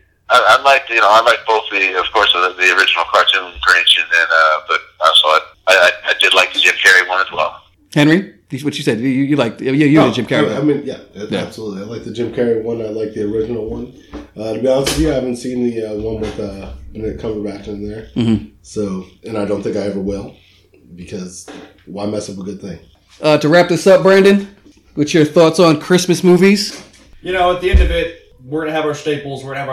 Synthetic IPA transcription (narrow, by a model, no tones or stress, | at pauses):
aɪaɪlaɪk̚jɨñoʊaɪlaɪk̚b̥oʊθðɨʌv̥kʰɔɹsəðiə˞ɪd͡ʒɨn̩l̩ˠkʰɑɹtʰɨ̃ñkʰiẽɪʃɨ̃nɨ̃nʌb̥ʌt̚aɪsɔɪt̚aɪaɪaɪdɨdˡlaɪk̚ðɨd͡ʒɪ̃mkʰɛɹiwʌ̃nɨzwɛ̰lˠ | hɛ̃nɹi | iwʌt͡ʃɨsɛd̚jɨjɨlaɪk̚jɨjɨd͡ʒɪ̃mkʰɛɹiaɪmĩnjæætjææ̰b̥səlutˡliaɪlaɪk̚ðɨd͡ʒɪ̃mkʰɛɹiwʌ̃naɪlaɪk̚ðiə˞ɪd͡ʒɨnl̩ˠwʌ̃n | ʌɾɨbiãsɨvjɨaɪhævɨ̃ntsĩnðɨʌwʌ̃nwɨðʌb̥ɨɨkʰʌvə˞bæp̚tɨ̃n̩ðə˞m̩mm̩soʊɨ̃naɪdɾõʊ̃nθɪ̃ŋkaɪɛvə˞wɪlˠ | bɨkʰʌz̥ | waɪmɛsʌpəɡʊd̪̚θɪ̃ŋ | ʔʌtʰɨɹæp̚ðɪsʌp̚b̥ɹæ̃ndɨ̃n | wɨt͡ʃə˞θɔtsn̩kʰɹ̥ɪsmɨsmuviz̥ | jɨnoʊɨt̪̚ðiɛ̃ndʌvɪt̚ | wɪɹnɨvaʊ˞steɪbl̩ˠzwɪɹn̩ɨv